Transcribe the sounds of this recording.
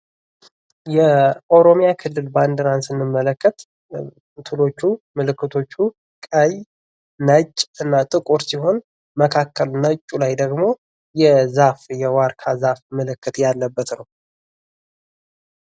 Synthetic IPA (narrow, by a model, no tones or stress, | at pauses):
jɛʔowɾo̞mijakʰɨlːɨlband̪əɾansɨnːɨmːələkʰːət̪ | t̪ʰɨlo̞t͡ʃːumɨlɨkːɨt̪ʰo̞t͡ʃːu | kʼəj | nət͡ʃʼːɨnːat̪ʼɨkʼoɾsiɦo̞n | məkʰakʰːəlnət͡ʃʼːulajd̪əɡmo̞ | jɛzafjɛwaɾkʰazafmɨlɨkːɨt̪jalːəbːət̪nəw